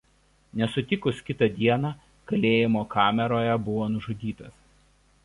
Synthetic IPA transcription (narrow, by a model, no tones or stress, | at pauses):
nʲɛsʊt̪ʲɪkʊskʲɪt̪ɐd̪ʲiɛnɑː | kɐlʲeːjɪmoːkʰɑːmʲɛɾoːjɛbʊʋoːnʊʒʊd̪ʲiːt̪ɐs